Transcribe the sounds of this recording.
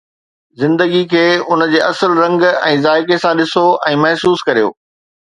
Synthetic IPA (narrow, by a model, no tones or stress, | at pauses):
zɪ̃nd̪əɡikʰeːʊnəd͡ʑeːʔɐsəlɾɐ̃ŋɡɛ̰̃ːzaːɪkesãɗɪsoɛ̃ːmɐɦsuːskɐɾijo̰ː